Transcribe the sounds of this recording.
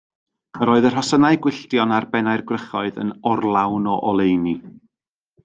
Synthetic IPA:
əɾɔːɨðər̥ɦɔsənaɨɡwɪɬdjɔnarbɛnaɨrɡrəχɔɨðə̰nɔrlˠawnɔʔɔlˠejni

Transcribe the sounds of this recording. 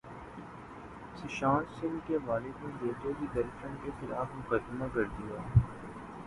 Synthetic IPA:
sɪʃaːnsɪ̃ŋkeʋaːlekod͡ʒeːd͡ʒokid̪ɐɾʃə̃nkexɪlaːfmʊkəd̪ɪmakɐɾd̪ijaː

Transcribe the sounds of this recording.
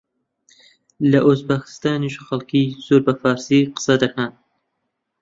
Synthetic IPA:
lɐʔuzbakɨ̥st̪aːniʃxɐlkʰiːz̥oːɾbɐfaːɾsiːqɨ̥sɐd̪ɐkʰan

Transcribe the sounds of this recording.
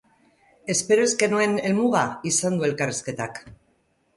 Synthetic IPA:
e̞spe̞ɾoe̞zɡe̞nue̞ne̞lmuɣaisand̪ue̞lkariske̞t̪ak

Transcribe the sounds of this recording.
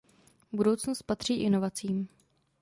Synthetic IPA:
budo̞wt͡snost̪̚pat̪r̝̥iːʔɪno̞vat͡siːm

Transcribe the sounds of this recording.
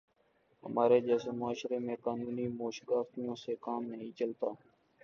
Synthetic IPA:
ɦə̰maːɾeːd͡ʒɛːseːmʊaːʃɾeːmẽːkaːnuːniːmoːʃɡaːft̪ijõːseːkaːmnəɦĩːt͡ʃəlt̪aː

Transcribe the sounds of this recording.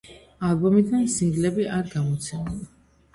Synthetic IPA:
alˠbɔmid̪ansiŋɡlɛbiaɾɡamɔt̪sʰɛmulˠa

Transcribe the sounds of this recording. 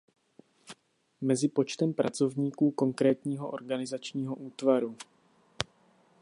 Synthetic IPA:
mɛzɪpo̞t͡ʃt̪ɛmpɾa̰t͡so̞vɲiːkuːko̞ŋkɾɛːt̪ɲiːɦo̞ʔo̞̰ɾɡanɪzat͡ʃɲiːɦo̞ʔuːt̪vaɾu

